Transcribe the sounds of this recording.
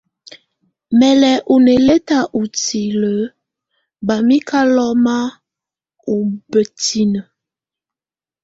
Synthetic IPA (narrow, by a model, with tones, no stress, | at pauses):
mɛ˨lɛ˨ʔu˨ne˨le˦ta˦ʔu˨ti˨lə˨˦ | ba˨mi˦kʰa˦lɔ˦ma˦ | u˨bə˨ti˦nə˨